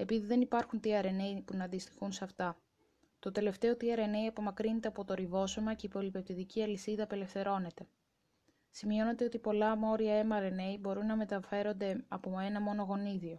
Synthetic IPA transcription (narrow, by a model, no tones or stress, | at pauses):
e̞piðiðe̞nipɐɾxunt̪iɐɾe̞ne̞ipunɐnd̪ist̪i̥xunsɐft̪ɐ | t̪o̞t̪e̞le̞ft̪e̞o̞t̪ɾiɐɾe̞ne̞iɐpo̞mɐkɾinet̪e̞ɐpo̞t̪o̞ɾivo̞so̞mɐce̞ipo̞lipe̞p̚t̪iðiciɐlisiðɐpe̞le̞fθe̞ɾo̞ne̞t̪e̞ | simio̞ne̞t̪eot̪ipo̞lɐmo̞ɾiɐe̞mɐɾe̞ne̞ibo̞ɾunːɐme̞t̪ɐfe̞ɾo̞nd̪e̞ɐpoe̞nɐmo̞no̞ɣo̞niðio̞